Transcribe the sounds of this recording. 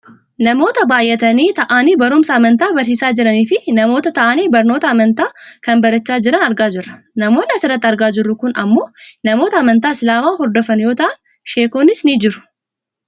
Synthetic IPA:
nɐmo̞ːt̪ɐbaːjʔːɛt̪ɐniːt̪ɐʔaːniːbɐɾʊmsɐːmɐnt̪aːbɐɾs̬iːsaːd͡ʒɪɾɐniːfɪnɐmo̞ːt̪ɐt̪ɐʔaːniːbɐɾnoːt̪ɐːmɐnt̪aːkɐnbɐɾɐt͡ʃːaːd͡ʒɪɾɐnɐɾɡaːd͡ʒɪrːɐ̥ | nɐmo̞ːnːɐsɪɾːɐt̪ːɐɾɡaːd͡ʒɪrːʊkʊnʔɐ̰mːo̞ːnɐmoːt̪ɐːmɐnt̪aːɪslaːmaːɦɔɾd̪ɔfɐnjo̞ːt̪ɐʔɐn | ʃe̞ːkoːnɪsnid͡ʒɪɾʊ̥

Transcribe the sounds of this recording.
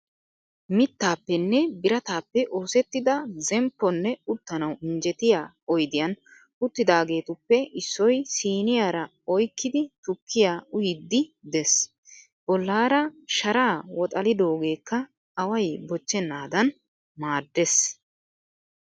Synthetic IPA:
mɪt̪ːaːpːɛnːɛbɪɾɐt̪aːpːɛʔoːsɛt̪ːɪd̪ɐzɛmpːɔnːɛʊt̪ːɐnɐwɪɲd͡ʒɛt̪ɪjaː | ɔjd̪ɪjɐn | ʊt̪ːɪd̪aːɡe̞ːt̪ʊpːɛʔɪsːɔjsiːnɪjaːɾɐ | ɔjkːɪd̪ɪt̪ʊkʰːɪjaʊjɪd̪ːɪd̪ɛs | b̥ɔlːaːɾɐʃɐɾaːwɔt̪ʼɐlɪd̪o̞ːɡe̞ːkːɐː | wɐjbɔt͡ʃːɛnːaːd̪ɐn | maːd̪ːes

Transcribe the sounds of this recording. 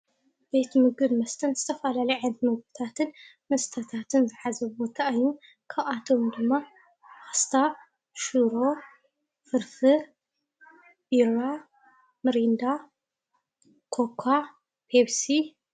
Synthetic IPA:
be̞t̪mɨɡɨd̪mɐst̪ʰɐnzɨt̪ʰɐfɐlalɐjʕɨnd̪mɨɡbɨt̪ʰat̪ʰɨn | mɐst̪ʰɐt̪ʰat̪ʰɨnzɨħazɐβbot̪ʰaːjːu | kʰaβat̪ʰo̞md̪ɨmːa | ʔast̪ʰa | ʃuɾo̞ | fɨɾfɨ | biɾa | mɨɾind̪a | kʰokʰa | pʰeβsi

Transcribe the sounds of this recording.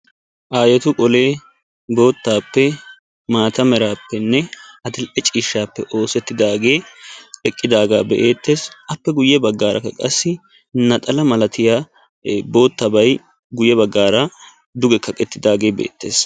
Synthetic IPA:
ʔaːjɛt̪ʊkʼɔle̞ː | bo̞ːt̪ːaːpːɛ | maːt̪ɐmɛɾaːpːɛnːɛhɐt̪ɪlʔɛt͡ʃʼiːʃːaːpːɛʔo̞ːsɛt̪ːɪd̪aːɡe̞ːɛkʼːɪd̪aːɡaːbɛʔeːt̪ːe̞ːsʔɐpːɛɡʊjːɛbɐɡːaːɾʔɐ̰kːɐkʼɐsːɪ | nɐt̪ʼɐlɐmɐlɐt̪ʰɪjaː | bo̞ːt̪ːɐbɐj | ɡʊjːɛbɐɡːaːɾɐ | d̪ʊɡɛkʰɐkʼːɛt̪ːɪd̪aːɡe̞ːbḛːt̪ːe̞ːs

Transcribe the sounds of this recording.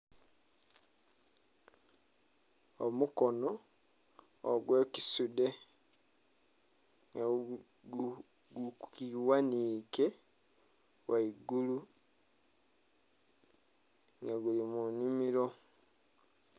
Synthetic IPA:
o̰mukono | ɡweːki̥sude | ŋɡa | u | ɡukiwaniːke | wʔaiɡulu | ŋɡaɡulimunimiɾo

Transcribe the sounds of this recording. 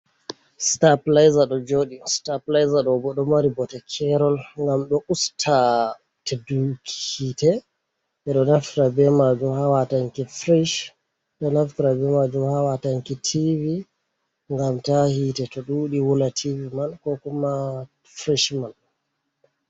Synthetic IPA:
staplajzaɗɔd͡ʒoɗistaplajzaɗɔbɔɗɔmaɾibɔtɛkʰɛɾɔlŋɡamɗɔʔustʰa | tɛdukʰi̥hitɛ | ɛɗɔnaftɾabɛmad͡ʒumhawataŋkifɾɛʃ | ɗɔnaftiɾabɛmad͡ʒumhawataŋkitʰivi | ŋɡamtahiːtɛtɔɗuɗiwulatʰivimankɔkuma | fɾɛʃman

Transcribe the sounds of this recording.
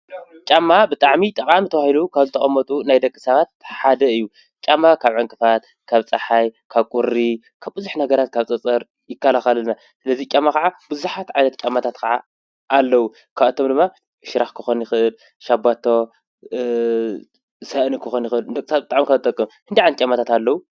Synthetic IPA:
t͡ʃʼamːabɨt̪ʼaʕmit̪ʼɐqʼamit̪ʰɐwahilukʰaβzɨt̪ʰɐχʼɐmːɐt̪ʼunajd̪ɐkʼːɨ̥sɐβat̪̚ħad̪ɐɨjːu | t͡ʃʼamːakʰaβʕɨŋkʼɨfat̪ | kʰaβt͡sʼɐħajkʰaβkʼuɾi | kʰaβbɨzuħnɐɡɐɾat̪̚kʰaβt͡sʼɐt͡sʼɐɾ | jɪkːalaxɐlɨna | sɨlɐzit͡ʃʼamːakɐʕabɨzuħat̪ʕajnɐt̪̚t͡ʃʼamat̪ʰat̪kʰaʕa̰ː | lːɐwu | kʰaβɐt̪ʰomd̪ɨmːa | ʃɪɾaxkʰɨxonjɪxɨʔɨl | ʃabːat̪ʰːo | sɐʔnikʰɨxonjɪxɨld̪ɐkʼːɨsat̪̚bɨt̪ʼaʕmikʰɐɨt̪ʼɐkʼːɨmhɨnd̪iʕant̪t͡ʃʼamːat̪ʰat̪alːɐwu

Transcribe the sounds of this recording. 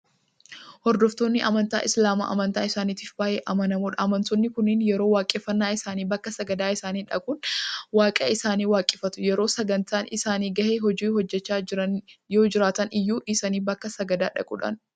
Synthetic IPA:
hɔɾd̪ɔft̪o̞ːnːɪʔɐmɐnt̪a̰ːʔɪslaːma̰ːʔɐ̰mɐnt̪aːɪsaːniːt̪ɪfbaːʔeʔɐmɐnɐmoːᶑɐːmɐnt̪ɔnːɪkʊnɪnjɛɾo̞ːwaːkʼeːfːɐnːaːɪsaːniːbɐkːɐsɐɡɐd̪aːɪsaːniːᶑɐkʼuːnwaːkʼɐ̰ɪsaːniːwaːkʼɛfɐt̪ʊjɛɾo̞ːsɐɡɐnt̪aːnɪsaːniːɡɐheːɦɔd͡ʒiːhɔd͡ʒːɛt͡ʃːaːɐnjo̞ːd͡ʒɪɾaːt̪ɐnɪjːuːʔɪsɐniːbɐkːɐsɐɡɐd̪aːᶑɐ̰kʼṵːᶑɐ̰n

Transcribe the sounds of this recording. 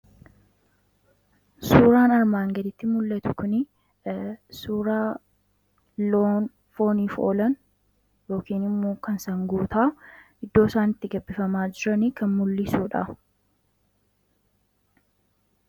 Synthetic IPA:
suːɾaːnɐɾmaːŋɡɐd̪ɪt̪ːɪmʊlːɐt̪ʊkʊnɪ | suːɾaː | loːn | fo̞ːniːfo̰ːlɐn | jo̞ːkiːnɪmːoːkɐnsɐŋɡuːt̪aːʔɪd̪ːo̞ːsaːnɪt̪ːɪɡɐbːɪfɐmaːd͡ʒɪɾɐnikɐnmʊlːɪsuːᶑɐ̰

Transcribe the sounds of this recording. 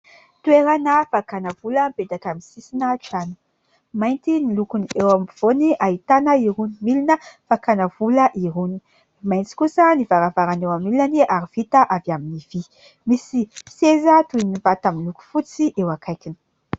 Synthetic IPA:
t̪ueɾanəfakanəvuləmped̪akaminsisinaʈ͡ʂani̥ | majnt̪inilukuniewamiv̥oniʔait̪anəiɾunimilinəfakanəvuləʔiɦuni̥ | majnt͡si̥kusənivaɾavaɾanewamilaniaɾiv̥it̪aʔavjaminivi | misi̥sezət̪uinivat̪aminluku̥fut͡siʔewakʰajkini̥

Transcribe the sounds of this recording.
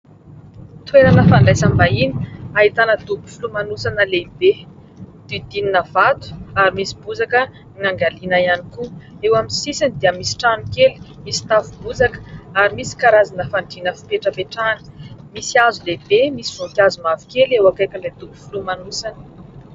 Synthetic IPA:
t̪wenanəfaɳɖ͡ʐajsambaini̥aɦit̪anəd̪ubu̥fulumanusanəlebe | d̪̥id̪ininəvat̪u̥aɾimisi̥buzakə | ŋaŋɡalinajanikuewaminsisanid̪iəmisi̥ʈ͡ʂanukeli̥misi̥t̪avubuzakə̥aɾimisi̥kaɾazanəfaɳɖ͡ʐinəfi̥peʈ͡ʂəpeʈ͡ʂanə̥misiazulebemisivukjazumavi̥kelewakajkəled̪ubu̥fulumanusanə̥

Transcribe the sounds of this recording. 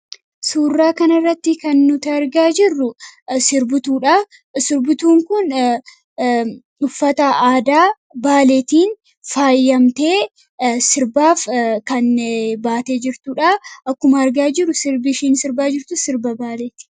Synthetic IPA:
suːrːaːkɐnɐrːɐt̪ːɪkɐnːʊt̪ɐɐɾɡaːd͡ʒɪrːʊsɪɾbʊt̪uːᶑa | sɪɾbʊt̪uːŋkʊn | ʊfːɐt̪ɐʔaːd̪aː | baːleːt̪iːn | faːjːɐmt̪eː | sɪɾbaːfkɐnbaːt̪eːd͡ʒɪɾt̪ʊᶑaʔɐkːʊmɐɐɾɡaːd͡ʒɪɾʊsɪɾbɪʃiːnsɪɾbaːd͡ʒɪɾt̪ʊsɪɾbɐbaːleːt̪ɪ̥

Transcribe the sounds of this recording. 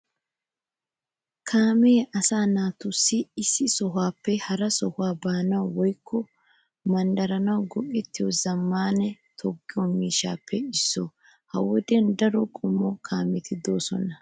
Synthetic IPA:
kʰaːmeːɐsaːnaːt̪ʊsːɪɪsːɪsɔɦaːpːɛhɐɾɐsɔhʊaːbaːnɐwɔjkʰːɔ | mɐnd̪ɐɾɐnɐwɡɔʔɛt̪ːɪjɔzɐmːaːnɛ | t̪ʰɔɡːɪɔmiːʃa̰ːpːɛɪsːɔ | hɐ̰wɔd̪ɛnd̪ɐɾɔkʼɔmːɔkʰaːmɛt̪ʰɪd̪oːsɔ̰nɐ

